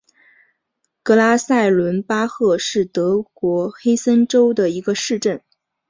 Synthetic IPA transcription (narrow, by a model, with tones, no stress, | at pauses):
kɤ˥˧la˥sa˥˩ɪlwə˧˥npa˥xɤ˥˧ʂɻ̩˥˩t̪ɤ˧˥kwɔ˧˥xe˥ɪsə˥nʈ͡ʂo˥ʊd̪ə˨i˧˥ɡə˧ʂɻ̩˥˧ʈ͡ʂə˥˩n